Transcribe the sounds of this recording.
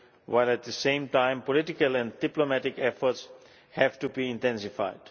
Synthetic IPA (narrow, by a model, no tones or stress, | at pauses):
wʔaɪlˠæt̪̚ðɨsẽɪ̃mtãɪ̃mpɔlɪtɪkəlˠɛ̃nd̥ɪplomæɾɪkɛfə˞ts | hæv̥tubiɪ̃ntɛ̃nsɪfa̰ɪd̥